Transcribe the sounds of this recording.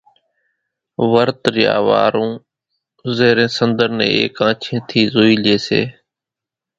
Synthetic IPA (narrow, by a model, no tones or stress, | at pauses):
ʋəɾt̪ɾɪja̰ːʋa̰ːɾũː | zeːɾẽːsənd̪əɾnḛ̃ːeːkãːt͡ʃʰẽːt̪ʰiːzoːiːleːsḛː